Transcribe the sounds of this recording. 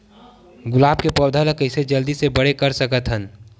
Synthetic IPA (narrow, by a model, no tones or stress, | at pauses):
ɡʊlaːb̚kepɔːd̪ʱələkəɪsed͡ʒəld̪isebəɽekəɾsəkət̪ɦən